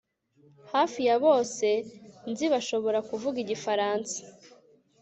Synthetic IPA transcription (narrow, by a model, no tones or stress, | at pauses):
haːfijaβo̞ːse̞nziβaʃo̞βo̞ɾakuvuɡiɟifaɾaːnsḁ